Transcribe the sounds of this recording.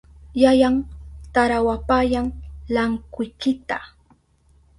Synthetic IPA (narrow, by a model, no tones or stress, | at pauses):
jajaŋt̪aɾawapajaŋlaŋkʊjkɪt̪a